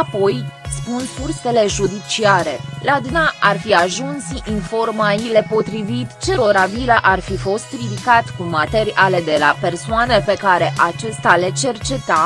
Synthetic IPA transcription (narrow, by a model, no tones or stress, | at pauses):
apo̞jspunfurse̞le̞ʒud̪it͡ʃiaɾe̞lad̪naʔarfiaʒunsinfo̞rmaile̞po̞t̪ɾivit̪t͡ʃe̞ɾo̞ɾabilaʔarfifo̞st̪rid̪ikat̪kumat̪eɾiʔale̞d̪elape̞rsoanepe̞kaɾe̞ʔat͡ʃe̞st̪ale̞t͡ʃe̞rt͡ʃe̞t̪a